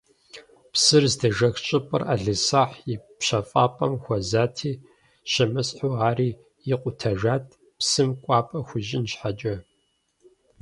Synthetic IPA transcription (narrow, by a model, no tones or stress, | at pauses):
psɨrzdɐʒɐxt͡ʃʼɪpʼɨ̰raɮɨsaːħjɪpɕɐfʼaːpʼɐmxʷɔzaːtʰiː | ɕɐmɨsħuːaːɾiː | jɪqʷʼʊtʰɐʒaːt̚ʼʰ | psɨmkʷʼɑːpʼɐxʷʊʒɪnɕħad͡ʒʼɐ